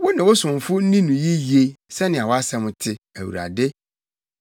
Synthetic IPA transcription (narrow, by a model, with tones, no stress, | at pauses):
wɔ˦nɪ̃˨wʊ˦sʊ̃˨m˨fʊ˦n̩˦nĩ˦nũ˨ji˦ji˨e˦sɛ˦nɪ̃˨a˨wɔ˦a˦sɛ˦mʊ̃˨tʰɪ˦æ˨wṵ˨ɾa̰˨dɪ˦